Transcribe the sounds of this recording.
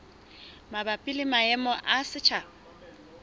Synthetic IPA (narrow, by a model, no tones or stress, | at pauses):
mabapʼilɪmaɛmɔʔasɪt͡ʃʰa